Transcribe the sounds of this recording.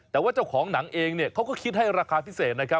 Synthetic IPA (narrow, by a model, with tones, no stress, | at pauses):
t̪ɛː˨˩waː˥˩t͡ɕa˥˩wkʰɔː˩˦ŋna˩˦ŋʔeː˧ŋni˥˩əkʰa˦˥wkɔː˥˩kʰi˦˥t̪̚ha˥˩jɾaː˧kʰaː˧pʰi˦˥˩seː˨˩t̪̚na˦˥kʰp